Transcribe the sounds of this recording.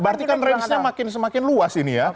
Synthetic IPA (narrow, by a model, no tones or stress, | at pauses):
bəart̪ikanrɛnsɲamakɪnsəmakɪnluasinija